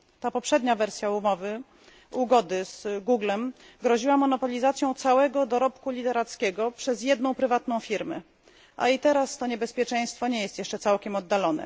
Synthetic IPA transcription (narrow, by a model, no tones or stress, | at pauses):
t̪apɔpʂɛd̪ɲavɛɾsʲjaumɔvɘ | uɡɔd̪ɘz̥ɡuɡlɛm | ɡɾɔʑiwamɔnɔpɔlʲizat̪sʲjɔ̃w̃t̪sawɛɡɔd̪ɔɾɔpkulʲit̪ɛɾat̪skʲɛɡɔpʂɛzjɛd̪nɔ̃w̃pɾɘvat̪nɔ̃w̃fʲiɾmɛ | ʔa̰it̪ɛɾast̪ɔɲɛbɛspʲjɛt͡ʂɛ̃j̃st̪fɔɲɛjɛst̪jɛʂt͡ʂɛt̪sawkʲɛmɔd̪ːalɔnɛ̰